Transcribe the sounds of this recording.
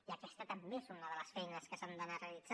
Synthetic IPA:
iakɛst̪ət̪əmbesonunəðələsfɛjnəskəsand̪ənarealidd͡z̥a

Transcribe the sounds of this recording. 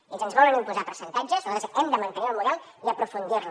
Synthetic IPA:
izənzβɔlənimpuzapəɾsənt̪ad͡ʒəzəsɛmd̪əmɐnt̪əniəlˠmuðɛlˠid̪əpɾufund̪iɾn

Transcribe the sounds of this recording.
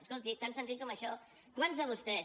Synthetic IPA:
skolˠt̪it̪ansənziʎkɔməʃɔ | kwanzðəβ̞ust̪ɛ

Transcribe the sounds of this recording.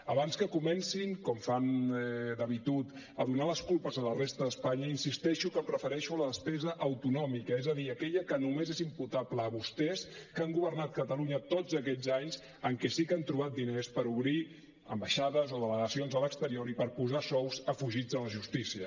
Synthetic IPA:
əβanskəkumɛnsiŋkɔmfand̪əβit̪ut̪ | əðunaləskulˠpəzələrest̪əðəspaɲəinsist̪ɛʃukəpɾəfəɾɛʃuələðəspɛzəʔːwt̪unɔmikəezəðiəkɛʎəkənumezezimput̪apləːβust̪ɛskaŋɡuβərnat̪̚kət̪əluɲət̪od͡zəkɛʎzaɲz | əŋkɛsikant̪ɾuβ̞at̪̚d̪inespəɾuβɾi | ə̰mbəʃaðəzoðələɣəsionzələkst̪əɾioɾipəɾpuzasɔwzəfuʒid͡zələʒust̪isiə

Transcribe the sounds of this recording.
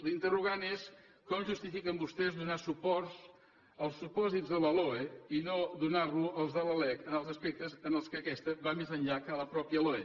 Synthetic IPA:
lint̪əruɣ̞anes | kɔmʒust̪ifikəmbust̪ɛzd̪unasupɔrz | əlˠsːupɔzizðələloeinoðunarluəlˠzðələlɛkənəlˠzəspek̚t̪əzənəlˠskəkɛst̪əβamezəɲʎakələpɾɔpiəloe

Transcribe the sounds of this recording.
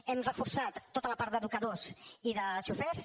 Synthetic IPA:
ɛmrəfuɾsat̪ːot̪ələpaɾt̪d̪əðukəðoziðət͡ʃufɛɾs

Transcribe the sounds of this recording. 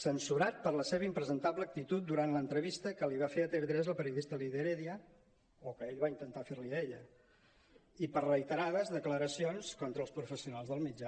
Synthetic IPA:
sənsuɾat̪̚pəɾləseβəimpɾəzənt̪aβləːk̚t̪it̪ut̪̚d̪uɾant̪lənt̪ɾəβist̪əkəliβ̞afeət̪eɾd̪ɾezəlˠpəɾiuðist̪əliðeɾeðiə | okəeʎβaint̪ənt̪afeɾlieʎə | ipərəit̪əɾaðəzðəkləɾəsionskɔnt̪ɾəːlˠspɾufəsiunalzðəlˠmid͡ʒa

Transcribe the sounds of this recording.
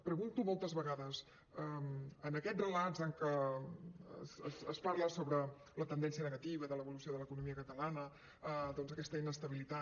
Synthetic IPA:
pɾəɣunt̪umɔlˠt̪əzβəɣaðəs | əmənəkɛrəlazəŋkə | səsəspaɾləsoβɾə | lət̪ənd̪ɛnsiənəɣət̪iβəðələβulusioðələkunumiəkət̪əlanə | əd̪ɔnzəkɛst̪əinəst̪əβilit̪a

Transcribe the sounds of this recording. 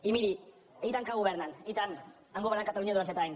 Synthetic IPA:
imiɾi | ejt̪aŋkaɣoβeɾnanejt̪an | aŋɡoɾnaŋkat̪aluɲaðuanset̪aejn

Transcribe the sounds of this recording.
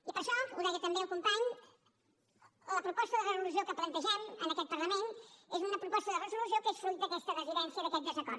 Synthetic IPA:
ipəɾʃɔuðɛjət̪əmbeəlˠkumpaɲ | ləpɾupɔst̪əðərəzulus̬iokəplənt̪əʒɛmənəkɛt̪̚pərləmenezunəpɾupɔst̪əðərəzulusiokesfɾut̪̚d̪əkɛst̪ərəziðɛnsiəðəkɛt̪̚d̪əzəkɔɾ

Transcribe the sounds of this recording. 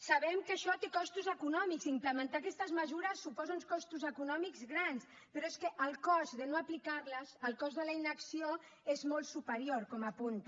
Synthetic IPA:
saβɛmkəʃɔt̪ekɔst̪uzəkunɔmiksimpləmənt̪akɛst̪əzməzuɾəsːupɔzaunskɔst̪uzəkunɔmikzɣɾans | pəɾɔeskəʔəlˠkɔzðənoəplikaɾləzəlˠkɔzðələinəksio | ezmɔlˠt̪supəɾioɾkɔmapunt̪

